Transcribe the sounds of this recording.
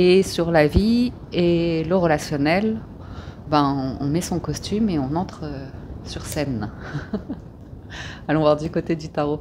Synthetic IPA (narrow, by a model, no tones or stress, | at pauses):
esyʁlavi | eləʁəlasjɔnɛl | bãɔ̰̃mɛsɔ̃kɔst̪ymeɔ̃nɑ̃t̪χəsyʁsɛn | alɔ̃vwaʁd̪ykot̪ed̪yt̪aʁo